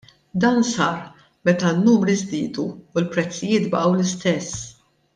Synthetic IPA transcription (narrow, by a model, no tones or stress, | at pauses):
d̪ɐːnsɐːɾ | mɛt̪ɐnːuːmɾizd̪iːd̪uːlpɾɛt͡sːɪjɪːt̪bɐʔɐwlɪst̪ɛsː